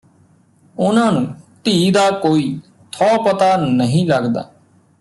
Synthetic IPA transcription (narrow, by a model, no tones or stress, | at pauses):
ʊnãːnũːt̪iːd̪aːkoːiː | t̪ʰɔːpət̪aːnəɦĩːləɡd̪a̰ː